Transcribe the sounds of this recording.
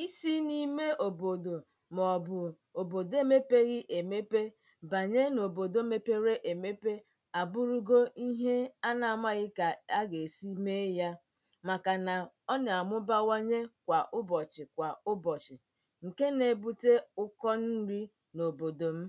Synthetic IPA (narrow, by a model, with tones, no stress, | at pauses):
i˦si˦ni˦me˦ʔo˨bo˨do˨ | mɔ˨bʊ˨ | o˨bo˨de˦me˦pe˦ɣɪ˦ʔe˨me˦pe˦ | ba˨ɲe˦no˨bo˨do˦me˦pe˦ɾe˦ʔe˨me˦pe˦ | a˨bʊ˦ɾu˦ɡo˦i˦ɦe˦a˦na˨a˨ma˦ɣɪ˦ka˨a˦ɡe˨si˦me˦ja˦ | ma˨ka˨na˨ | ɔ˦nɪ˨a˨mʊ˦ba˦wa˦ɲe˦kʷa˨ʔʊ˦bɔ˨t͡ʃɪ˨kʷa˨ʊ˦bɔ˨t͡ʃɪ˨ | ŋ̩˨ke˦ne˨bu˦te˦ʊ˦kɔ˦n̩˦ɾi˦ | no˨bo˨do˨m̩˦